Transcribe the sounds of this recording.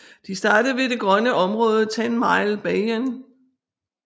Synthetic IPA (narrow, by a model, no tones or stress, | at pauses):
d̥isd̥ɑ̈ːd̥əð̩ˠʋe̝d̥e̝ɡ̥ʁɶnəʔɒ̽mʁɔ̽ːð̞ˠət͡sʰænmɑ̈ɪlb̥ɛɪen